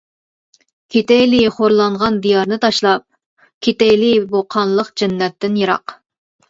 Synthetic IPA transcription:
kʲʰet̪ɛjliχoɾlˠɑɴʁɑnd̪ijɑɾnɨt̪ʰɑʃlˠɑp̚ | kʲʰet̪ɛjliboqʰɑnlˠəqd͡ʒɛnːɛt̪ːɪnjeɾɑ̰q

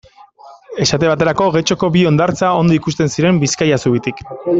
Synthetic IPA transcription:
e̞sat̪e̞β̞at̪e̞ɾako̞ɣe̞t͡ʃo̞ko̞bio̞nd̪aɾt͡sao̞nd̪o̞ikust̪e̞nsiɾe̞mbiskajasuβit̪ik

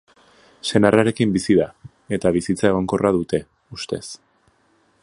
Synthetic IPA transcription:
se̞narʔaɾe̞kimbisiða | e̞t̪aβ̞isit͡sae̞ɣoŋko̞rʔaðut̪e̞ | ust̪e̞̰s

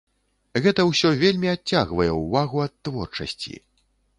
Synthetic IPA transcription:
ɣɛt̪ɐwsʲɔvʲelʲmʲiat͡sʲːaɣvɐjɛwvaɣuɐt̪ːvɔrt͡ʂɐ̰sʲt͡sʲḭ

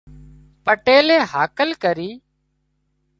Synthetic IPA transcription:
pəʈeːlẽːhaːkəlkəɾiː

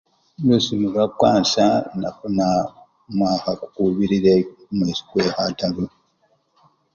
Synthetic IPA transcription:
jusimuβakwaːnsana̰funa | mwaːkaku̥kuβiɾiɾemweːsi̥kweːhatalu

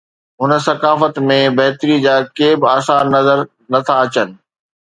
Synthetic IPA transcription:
ɦʊnə̆sɐkaːfət̪mẽbɐɦɪt̪ɾid͡ʑaːkeːbɪaːsaːɾnɐzəɾ | nɐt̪ʰaɐt͡ɕənɪ̆

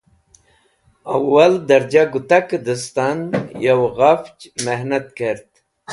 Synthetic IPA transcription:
awːald̪ɐɾd͡ʑaɡut̪akd̪əst̪anjawɣaft͡ʃmeɦnɐt̪̚keɾt̪

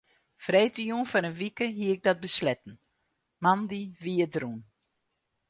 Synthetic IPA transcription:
frejtəjunfɔnənʋikəɦiəɪɡ̚dɔt̚bəslɛtn̩ | mandiʋiədrun

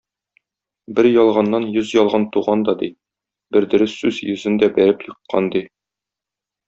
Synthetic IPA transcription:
bɘɾjɒlˠʁɑnːɑnjɵzjɒlˠʁɑnt̪uʁɑnd̪ɒd̪i | bɘɾd̪ɵ̆ɾɘsːʉzjɵ̆zɘnd̪æbæɾɘpjɤ̆qːɑ̰nd̪i

